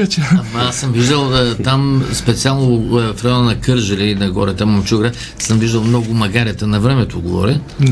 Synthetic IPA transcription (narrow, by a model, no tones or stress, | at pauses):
t͡ʃmɐasəmviʒd̪ɐlˠt̪amspɛt̪sialˠnofɾɛɔnɐnɐkɤɾʒəlʲɛinɐɡɔ̰ɾɛt̪əmɐmt͡ʃuɡɾə | səmviʒd̪ɐlˠmnɔɡʊmɐɡaɾʲɐt̪ənɐvɾɛmɛt̪oɡovɔ̰ɾʲɛ